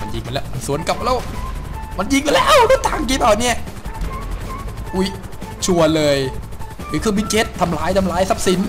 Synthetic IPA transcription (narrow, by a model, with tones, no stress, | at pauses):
ma˧nji˨˧ŋma˧˨lɛː˧˩wma˧nsu˨˩˦ənka˨˩p̚lɛː˦˥w | ma˧nji˧ŋma˧lɛː˧˥wlɯ˧˥˦t̪ʰaː˨˩ŋk̬i˧˥˩baː˧˩ni˥˩ɐ | ʔu˧˩j | t͡ɕʰu˧ɐlɤː˧j | i˧˩kʰɯː˧˩bi˦˧˥t͡ɕe˦˥t̪ʰːa˧mlaː˧˥jt̪ʰa˧mlaː˧˦˥jsa˦˥p̚si˨˩˦n